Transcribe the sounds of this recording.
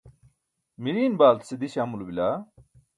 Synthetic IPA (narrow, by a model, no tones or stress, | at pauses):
miɾiːnbaːlt̪sed̪iɕamulubilaː